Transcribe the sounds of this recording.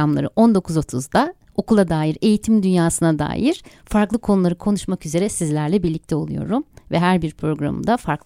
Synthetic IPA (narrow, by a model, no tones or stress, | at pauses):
amlˠa̰ɾɯʔo̞nd̪o̞kʰuzo̞t̪ʰuzd̪a | o̞kulˠad̪aːjiɾe̞jit̪ʰimd̪ynjaːsɯnad̪a̰ːjiɾ̥ | faɾklˠɯkʰo̞nulˠaɾɯkʰo̞nuʃmakyze̞ɾɛsizlʲæɾlʲɛbiɾlʲic̚t̪ʰɛo̞̰lˠṵjo̞̰ɾumvɛɦæɾbiɾpʰɾo̞ɡɾa̰mɯ̰d̪afaɾk